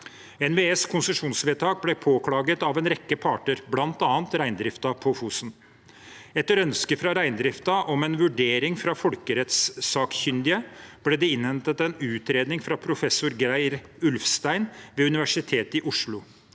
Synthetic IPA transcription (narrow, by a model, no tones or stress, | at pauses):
ɛnʋeeskʰʊnsəʂuːnsʋeːt̪ʰɑːk̚blɛpʰoːkʰlɑːɡət̪ɑʋɛnɾɛkːəpʰɑːʈəɾblɑnt̪ɑːnt̪ɾæɪnd̪ɾɪft̪ɑpʰɔfusn | ɛt̪ːəɾœnskəfɾɑɾæɪnd̪ɾɪft̪ɑʔɔmɛnʋʉɖeːɾɪŋfɾɑfɔlkəɾɛt̪sːɑːkçʏnd̪ɪəb̥lɛd̪ɛɪnhɛnt̪ət̪ɛnʉːt̪ɾeːd̪nɪŋfɾɑpʰɾʊfɛsːʊɾɡɾæɪɾʉlfst̪æɪnʋɛːʉnɪʋæʂɪt̪ʰeːt̪ɪʔʊʂɭʊ